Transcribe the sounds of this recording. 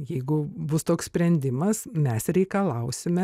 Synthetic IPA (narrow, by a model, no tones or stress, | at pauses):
jɛɪɡʊbʊst̪oːkssʲpʲɾʲɛnʲd̪ʲɪmɐsmʲɛsɾʲɛɪkɐlˠɐʊsʲɪmʲɛ